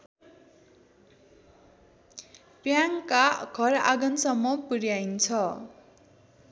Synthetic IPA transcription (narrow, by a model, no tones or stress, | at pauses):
pjaŋkaɡ̥ʱʌɾa̰ɡʌnsʌmːʌpuɾjajnt͡sʰʌ